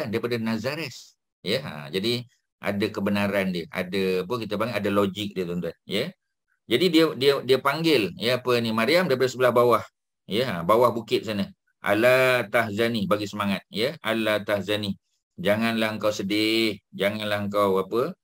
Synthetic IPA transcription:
ndaɾipadənazaɾɛs | jəa̰d͡ʒadi | ʔa̰dakəbənaɾandiəa̰daapəkit̪əbaŋʔadalod͡ʒɪk̚diət̪ɔnt̪uanjə | d͡ʒadidiədiədiəpaŋɡɪljəapənimaɾiamdaɾipadəsəbəlahbawah | jəa̰bawahbukɪt̪̚sanə | ʔa̰lat̪ahzanibaɡisəmaŋat̪̚jəalat̪ahzani | d͡ʒaŋanlahəŋkawsədɪhd͡ʒaŋanlahəŋkawapə

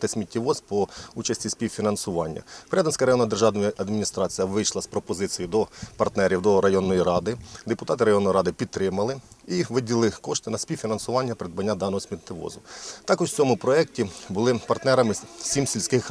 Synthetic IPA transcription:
t̪ɪsʲmʲitʲːiʋɔzpɔut͡ʃɐsʲtʲisʲpʲiwfʲinɐnsʊʋɑ̰nʲːɐ̰pɾʲad̪ɐnsʲkɐɾɐjɔnːɐd̪erʒɑnɔjɐd̪mʲinʲist̪ɾɑt͡sʲijɐʋɪjʃlˠɐspɾɔpɔzɪt͡sʲijid̪ɔpɐrt̪nɛɾʲiwd̪ɔɾɐjɔnːɔjiɾɑd̪ɪd̪epʊt̪ɑt̪ɪɾɐjɔnːɔjɾɑd̪ɪpʲit̪̚t̪ɾɪmɐlˠɪiʋɪdʲilˠɪkɔʃt̪ɪnɐsʲpʲiwfʲinɐnsʊʋɑnʲːɐpeɾɪd̪̚bɐnʲːad̪ɑnːɔɦɔsʲmʲit̪ʲːɪʋɔ̰zʊt̪ɑkɔt͡sʲɔmʊpɾɔɛk̚tʲibʊlˠɪpɐrt̪nɛɾɐmɪsʲimsʲilʲsʲkɪx

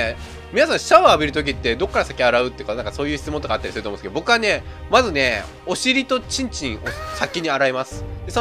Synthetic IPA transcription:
mʲinasãɕaoabʲiɾɯ̟t̪o̞kʲit̪ːe̞d̪o̞kːaɾasḁkʲiaɾaɯ̟t̪ːeiɯ̟kanãŋkḁso̞ːjɯ̟çʲi̥t͡sɨmõnt̪kat̪ːaɾʲisɨɾ̟t̪omõsk̪̞bo̞kɯ̟ane̞mazɨne̞ | o̞ɕiɾʲit̪o̞t͡ɕĩɲ̟t͡ɕĩɰ̃osakʲːiɲ̟iaɾaimasɨ̥d̪eso

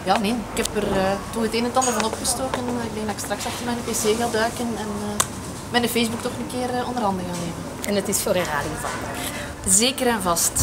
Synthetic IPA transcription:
jɑːnenɪkhɛpərəːtɔnəteːnəntɑndəvɑnɔpxəstoːkənɪɡ̚leŋdaɪkst̪rɑksɑftərmɛjnəpeseːɣaːdœːkənɛnə | mɛjnəfezbuk̚tɔxənəkɪːɾəɔndərɦɑndəɣaːneːmən | ɛnətɪsfoɾɛraːdɪova̰ə̰ | zeːkəɾɛnvɑst

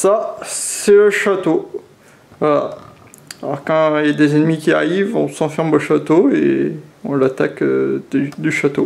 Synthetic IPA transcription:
sasɛləʃat̪o | vala̰ | alɔ̰ʁkɑ̃jad̪ezɛnmikʲiaʁivɔ̃sɑ̃fɛʁmoʃat̪oḛɔ̃lat̪akød̪yd̪yʃat̪o

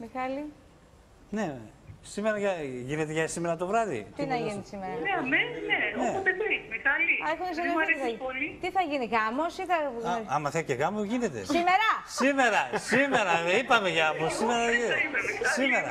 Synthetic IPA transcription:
mexɐli | ne̞sime̞ɾɐʝɐʝine̞t̪eʝɐsime̞ɾɐt̪o̞vɾɐðḭt̪inɐʝinisimeɾɐneɐmesnenoeomedemexɐliɐexunsiɐɾeiθipolit̪iθɐʝiniɣɐmosiθɐɐmɐθeceɣɐmoʝine̞t̪e̞̰simeɾɐsime̞ɾɐsime̞ɾɐipɐmeʝɐɐposimeɾɐimɐmeɐsime̞ɾɐ

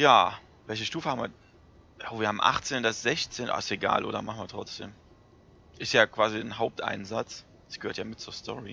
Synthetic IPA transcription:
jaː | vɛlçəʃtuːfəhabm̩viːɐ | ʔoviːɐhaːbmʔa̰χt͡seːndasz̥ɛçt͡seːnʔa̰ːɪseɡa̰ːlʔo̰ːɾdɐmaχn̩viːɐtʁ̥ɔt͡sd̥ḛːm | ʔɪstjaːkv̥aːzinɦaʊp̚tʔa̰ɪnzat͡s | d̥asɡ̥əhøːɐtjaːmɪt̚t͡suːɐstʰɔ̰ʁḭ

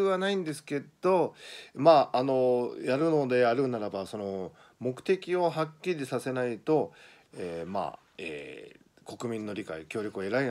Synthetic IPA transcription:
ɯβanaĩnd̪e̞sɨ̥ke̞dd̪̥o̞maːano̞jaɾɯ̟no̞d̪e̞aɾɯ̟naɾabaso̞no̞ | mo̞kɯ̟̥t̪e̞kʲio̞ɦakʲːiɾʲid̪esase̞nait̪o̞ | ema̰ː | ḛ | ko̞kɯ̟mʲĩnːo̞ɾʲika̰ikʲo̞ːɾʲo̞kɯoeɾai

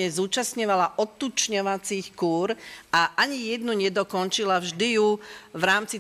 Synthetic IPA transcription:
ɛzuːt͡ʃast̪ɲɔʋalaʔɔt̪ːut͡ʃɲɔʋat͡siːxkuːɾaʔaɲijɛd̪nuɲɛd̪ɔkɔnt͡ʃilavʒd̪ijuʋɾaːmt͡si

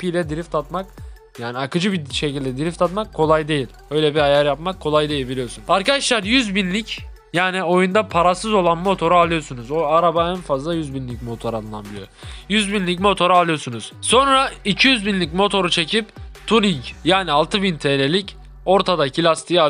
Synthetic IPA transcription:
pʰijlʲɛd̪iɾift̪ʰat̪mak | jaːniakɯd͡ʒɯbiʃe̞cilʲd̪ɛd̪iɾift̪at̪makʰːo̞lˠajd̪e̞jilʲø̞jlʲɛbiajaɾjapmakʰːo̞lˠajd̪e̞jilʲbilʲijo̞sunaɾkad̪aʃlˠaɾjyzbinlʲic | jaːnio̞jund̪apʰaɾasɯzo̞lˠanmo̞t̪ʰo̞ɾualˠɯjo̞sunuzoaɾabaænfazlˠajyzbinlʲic̚mo̞t̪ʰo̞ɾalˠɯna̰bilʲḭjo̰jyzbinlʲicmo̞t̪ʰo̞ɾaalˠɯjo̞sunuz̥so̞nɾaicʰijyzbinlʲic̬mo̞t̪ʰo̞ɾut͡ʃʰe̞cʰipt̪ʰuniɲcjaːnialˠt̪ʰɯbint̪ʰeːle̞lʲic | o̞ɾt̪ʰad̪acʰilʲast̪ʰija

